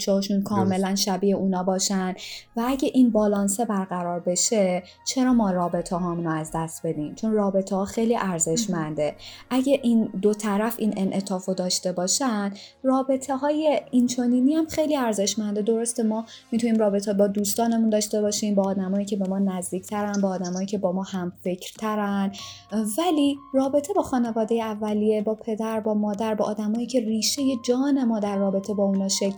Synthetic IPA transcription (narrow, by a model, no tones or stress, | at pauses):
t͡ʃʰɒhɒʃunkʰɒːme̞lænʃæbiːeuːnɒːbɒːʃænd̪vææɟʲæʔinbɒːlɒːnse̞bæɾɣæɾɒːɾbe̞ʃe̞ | t͡ʃʰe̞ɾɒːmɒːɾɒːbe̞t̪ʰeɦɒːmunoæzd̪æst̪̚be̞d̪iːmt͡ʃʰo̞nrɒːbe̞t̪ʰehɒːxejliʔæɾze̞ʃmænd̪e̞ʔæɟæʔiːnd̪ot̪ʰæɾæfḭnʔe̞nʔe̞t̪ʰɒːfod̪ɒːʃt̪e̞bɒːʃænd̪ | rɒːbe̞t̪ʰe̞ɦɒːje̞int͡ʃʰo̞niːniæmxejliːæɾzeʃmænd̪ed̪o̞ɾo̞st̪emɒː | mit̪ʰuniːmrɒːbe̞t̪ʰebɒːd̪uːst̪ɒːne̞mund̪ɒːʃt̪e̞bɒːʃiːmbɒːd̪æmɒːjiːcʰe̞be̞mɒːnæzd̪iːcʰt̪ʰæɾænbɒːd̪æmɒːjiːcʰe̞bɒːmɒːhæmfe̞cʰɾt̪ʰæɾæn | vælirɒːbe̞t̪ʰe̞bɒːxɒːnevɒːd̪e̞jeævːælije̞bɒːpʰe̞d̪æɾbɒːmɒːd̪æɾbɒ̰ːʔːd̪æmɒːiːcʰe̞riːʃe̞je̞d͡ʒɒːne̞mɒːd̪æɾːɒːbe̞t̪ʰe̞bɒːunɒːʃek